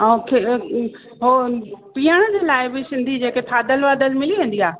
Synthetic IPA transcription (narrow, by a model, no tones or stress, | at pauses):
kʰe | ɦopiːəɽ̃əd͡ʑeːlaːɪbɪsɪ̃nd̪ʱid͡ʑeːket̪ʰaːd̪əlʋaːd̪əlmɪliʋẽːn̆d̪iaː